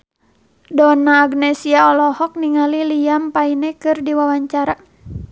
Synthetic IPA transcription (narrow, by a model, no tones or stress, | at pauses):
dɔnaːɡnɛsiaɔlɔhɔk̚niŋalilijampainɛkɨrdiwawaɲt͡ʃaɾa